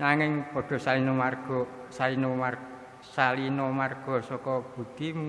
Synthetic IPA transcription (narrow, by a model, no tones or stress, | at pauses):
naŋɪŋpɔ̤ɖ̥ɔ̤salinomarɡ̥ɔ̤ | salinomar | salinomarɡ̥ɔ̤sɔkɔb̥ṳk̪im